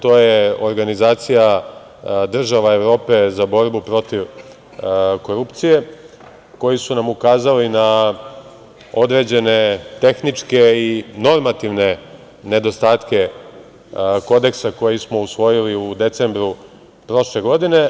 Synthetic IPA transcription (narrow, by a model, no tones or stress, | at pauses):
t̪o̞ːjeo̞ɾɡanizaːt̪sija | d̪r̩ʒaʋae̞ʋɾo̞ːpe̞zabo̞ɾbupɾo̞t̪iʋ | ko̞ɾupt̪sije̞ | ko̞jisunamukaːzalina | o̞d̪ɾe̞d͡ʑe̞ne̞t̪e̞xnit͡ʂke̞ino̞ɾmat̪iʋne̞ | ne̞d̪o̞st̪aːt̪ke̞ | ko̞d̪e̞ksako̞jismo̞usʋo̞jiliud̪e̞t̪se̞mbɾu | pɾo̞ʃle̞ɡo̞d̪ine̞